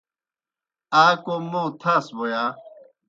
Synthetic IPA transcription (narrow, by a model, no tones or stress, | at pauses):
aːkomõt̪ʰasbojaː